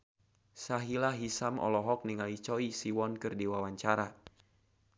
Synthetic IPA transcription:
saɦilaɦisamʔɔ̰lɔɦɔk̚niŋalit͡ʃɔisiwɔnkɨrdiwawaɲt͡ʃaɾa

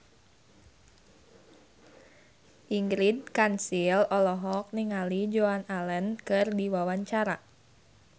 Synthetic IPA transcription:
ʔiŋɡɾid̚kansilɔlɔɦɔk̚niŋalid͡ʒoanalənkɨrdiwawaɲt͡ʃaɾa

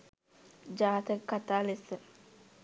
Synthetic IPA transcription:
d͡ʒaːt̪ekːat̪aːlesə

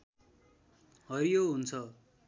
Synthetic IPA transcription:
ɦʌɾijoɦunt͡sʰʌ

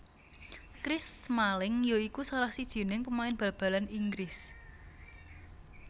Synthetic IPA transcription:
kɾɪsmalɪŋjoikusalahsid̥ʒ̥i̤nɪŋpəmaɪnb̥a̤b̥ä̤laniŋɡɾɪs

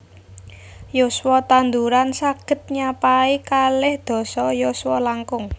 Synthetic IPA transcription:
joswɔt̪and̪uɾansaɡ̥ə̤t̪̚ɲapaikalɪhd̪̥ɔ̤sɔjoswɔlaŋkʊŋ

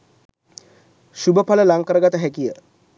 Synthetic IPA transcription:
ʃubəpʰaləlaŋkəɾəɡat̪əɦɛkijə

